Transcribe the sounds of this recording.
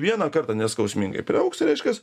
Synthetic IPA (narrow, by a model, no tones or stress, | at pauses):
ʋʲiɛnɑːkɐɾt̪ɑnʲɛskɐʊsʲmʲiːŋɡɐ̰ɪpʲɾʲɪɐʊksɾʲɛɪʃʲkʲɛs